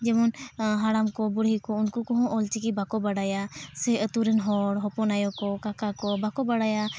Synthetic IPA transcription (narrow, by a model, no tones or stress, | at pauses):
d͡ʒɛmɔnɦaɽamkɔbʊɽ̤ikɔʊnkukɔɦɔ̃ʔɔlt͡ʃikibakɔbaɽajasɛət̪uɾɛnɦɔɽɦɔpɔnajɔkɔkakakɔbakɔbaɽaja